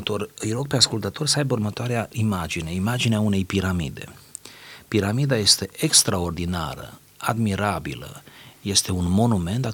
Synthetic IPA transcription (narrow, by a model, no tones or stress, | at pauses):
t̪o̞rʲɨjɾo̞ɡ̚pe̞askult̪ət̪o̞rʲsəajburmət̪oaɾeaʔimad͡ʒine̞imad͡ʒineaune̞jpiɾamḭd̪e̞̰ | piɾamid̪aje̞st̪e̞ʔekst̪ɾao̞rd̪ina̰ɾə̰ | ad̪miɾabilə̰je̞st̪e̞unmo̞nume̞nt̪a